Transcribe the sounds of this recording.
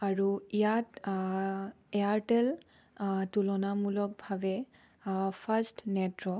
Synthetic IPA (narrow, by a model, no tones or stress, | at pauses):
aɹuijat | ɛaɹtɛl | tulɔnamulɔk̚bʱabɛ | pʰastnɛtɹɔ